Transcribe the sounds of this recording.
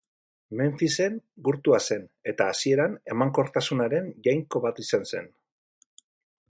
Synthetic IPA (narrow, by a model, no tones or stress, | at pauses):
me̞ɱfise̞ŋɡuɾt̪uase̞ne̞t̪aːsie̞ɾane̞maŋko̞ɾt̪asunaɾe̞nʝajŋko̞βat̪isanse̞̰n